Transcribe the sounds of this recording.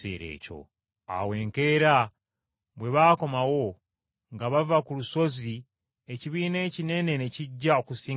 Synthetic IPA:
ḛːɾe̞̰ːco̞̰ | a̰we̞ːŋke̞ːɾa | βwe̞βaːko̞mawo̞ | ŋɡaβavakuluso̞zi | e̞ciβiːne̞ːcine̞ne̞neciɟːaokusiː

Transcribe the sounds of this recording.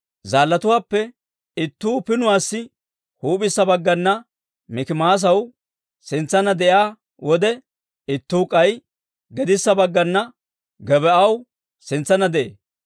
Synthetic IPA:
zaːlːɐt̪ʊwaːpːɛ | ɪt̪ːuːpɪnʊwaːsːɪ | huːpɪsːɐbɐɡːɐnːɐ | mɪkɪmaːs̬ɐw | sɪnt͡sːɐnɐd̪ɛʔjaː | wɔd̪ɛ | ɪt̪ːuːkʼɐj | ɡɛd̪ɪsːɐbɐɡːɐnːɐ | ɡɛbɛʔɐw | sɪnt͡sːɐnɐd̪ɛʔḛː

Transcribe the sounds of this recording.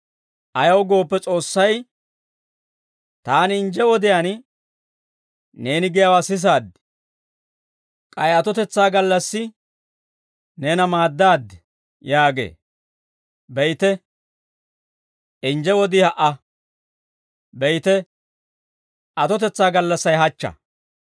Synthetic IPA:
ʔɐjɐwɡo̞ːpːɛt͡sʼo̞ːsːɐj | t̪aːnɪnd͡ʒɛwɔd̪ɪjaːn | neːnɪɡɪjawaːsɪs̬aːd̪ | kʼɐjɐt̪ɔt̪ɛt͡sːaːɡɐlːɐsːɪ | neːnɐmaːd̪ːaːd̪ | jaːɡḛː | bɛjt̪ɛ | ʔɪnd͡ʒɛwɔd̪ɪhɐʔɐ | bɛjt̪ɛ | ʔɐt̪ɔt̪ɛt͡sːaːɡɐlːɐsːɐjɦɐt͡ʃːɐ̰

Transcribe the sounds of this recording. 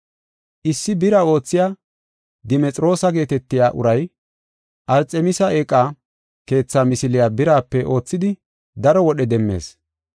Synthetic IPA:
ʔɪsːɪbɪɾao̞ːt͡sːɪjaː | d̪ɪmɛt͡sʼɾo̞ːsɐɡe̞ːt̪ɛt̪ːɪjaːʔʊ̰ɾɐj | ʔɐɾt͡sʼɛmɪsɐeːkʼːaː | ke̞ːt͡sːaːmɪsɪlɪjaːbɪɾaːpːɛʔo̞ːt͡sːɪd̪ɪ | d̪ɐɾɔwɔɗɛd̪ɛmːe̞̰ːs

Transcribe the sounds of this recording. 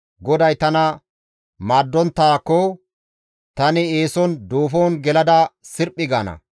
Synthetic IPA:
ɡɔd̪ɐjt̪ɐnɐ | maːd̪ːɔnt̪ːaːkːɔ | t̪ɐnɪe̞ːsɔnd̪oːfoːnɡɛlɐd̪ɐsɪɾpʼːɪɡaːnɐ̰

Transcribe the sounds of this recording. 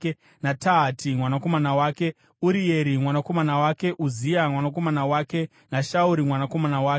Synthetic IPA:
nataɦatʰimwanako̞manawaːke̞ | uɾije̞ɾimwanako̞manawake̞ʔuziamwanak̬o̞manawaːke̞ | naʃauɾimwanako̞manawaːke

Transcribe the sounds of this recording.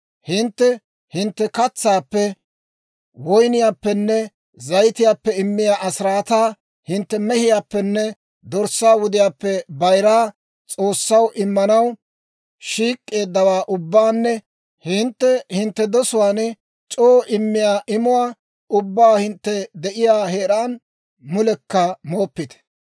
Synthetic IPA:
hɪnt̪ːɛ | hɪnt̪ːɛkɐt͡sːaːpːɛ | wɔjnɪjaːpːɛnːɛ | zɐjt̪ɪjaːpːɛɪmːɪjaːʔɐsɾaːt̪aː | hɪnt̪ːɛmɛhɪjaːpːɛnːɛ | d̪ɔɾsːaːwʊd̪ɪjaːpːɛbɐjɾaː | t͡sʼo̞ːsːɐwʔɪmːɐnɐw | ʃiːkʼːe̞ːd̪ːɐwaːʔʊbːaːnːɛ | hɪnt̪ːɛhɪnt̪ːɛd̪ɔsʊwaːn | t͡ʃʼoːʔɪmːɪjaːʔɪmʊwaː | ʊbːaːhɪnt̪ːɛd̪ɛʔɪjaːheːɾaːn | mʊlɛkːɐmoːpːɪt̪ɛ̥

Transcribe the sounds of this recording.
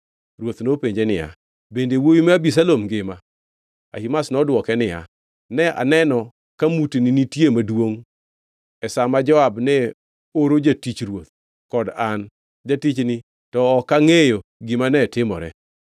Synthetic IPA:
rwot̪nopeɲd͡ʒenɪja̰ | bendewojimɛabis̬alomɡɪma | a̰himasnɔdwɔkɛnɪja̰ | nɛʔa̰nɛnɔ | kamutininitjemadwoŋ | ɛsamad͡ʒɔabnɛ | oɾod͡ʒatit͡ʃɾwot̪̚ | kɔdan | d͡ʒatit͡ʃnɪ | tɔːkaŋejoɡɪmanɛtɪmɔɾɛ̰

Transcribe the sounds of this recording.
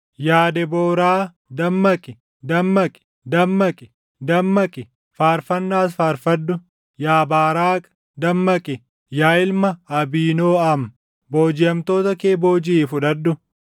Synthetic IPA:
jaːd̪ɛboːɾaː | d̪ɐmːɐkʼɪ | d̪ɐmːɐkʼɪ̥ | d̪ɐmːɐkʼɪ̥ | d̪ɐmːɐkʼɪ | faːɾfɐnːaːs̬faːɾfɐd̪ːʊ | jaːbaːɾaːkʼ | d̪ɐmːɐkʼɪ | jaːɪlmɐɐbiːnoːɐm | bo̞ːd͡ʒɪjɐmt̪o̞ːt̪ɐkeːbo̞ːd͡ʒiːfʊᶑɐd̪ːʊ

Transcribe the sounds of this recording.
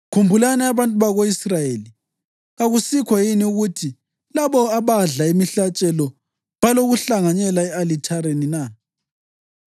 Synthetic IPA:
kʰumbʱulanɛaβantʼuβaɣoisrajeːli | ɣaɣusikʰwajiniuɣutʰi | laβɔaβaɮaemiɬat͡ʃʼɛlɔ | βaloɣuɬaŋaɲɛlaɛalitʰaɾenina

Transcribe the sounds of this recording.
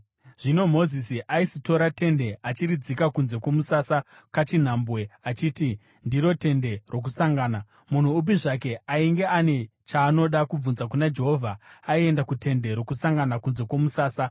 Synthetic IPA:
ʐ̥ino̞mo̞zisiʔaisito̞ɾate̞nde̞at͡ʃiɾid͡zikakunze̞kwo̞musasa | kat͡ʃin̤aːmbwe̞at͡ʃiːti | ndiɾo̞te̞nde̞ro̞k̬usaŋɡaːna | mun̤uːp̬iʐake̞aiŋɡe̞ane̞t͡ʃaːno̞ɗakub͡vunzakunad͡ʒe̞ɦovʱaːie̞ndakute̞nde̞ɾo̞kusaŋɡanakunze̞kwo̞musaːsa

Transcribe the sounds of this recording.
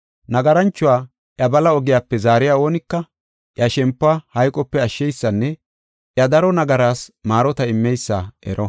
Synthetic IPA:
nɐɡɐɾɐnt͡ʃːʊwaː | ʔjɐbɐlɐɔɡɪjaːpːɛzaːɾɪjaːo̞ːnɪkːɐ | ʔjɐʃɛmpːaːhɐjkʼːɔpːɛɐʃːɛjsːɐnːɛ | ʔjɐd̪ɐɾɔnɐɡɐɾaːsmaːɾɔt̪ɐɪmːɛjsːaːʔɛ̰ɾʔɔ

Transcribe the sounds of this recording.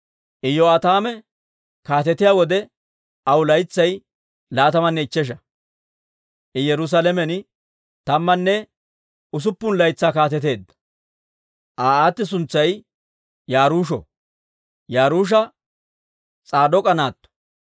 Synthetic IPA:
ʔɪjɔɐt̪aːmɛ | kaːt̪ɛt̪ːɪjaːwɔd̪ɛ | ʔɐwlɐjt͡sːɐj | laːt̪ɐmɐnːɛɪt͡ʃːɛʃ̬ɐ | ʔɪjɛɾʊs̬alɛmɛn | t̪ɐmːɐnːɛ | ʊs̬ʊpːʊnlɐjt͡sːaːkaːt̪ɛt̪e̞ːd̪ːɐ̥ | ʔaːaːt̪ːɪs̬ʊnt͡sːɐj | jaːɾuːʃɔ̰ | jaːɾuːʃ̬ɐ | t͡sʼaːd̪ɔkʼɐnaːt̪ːɔ̥

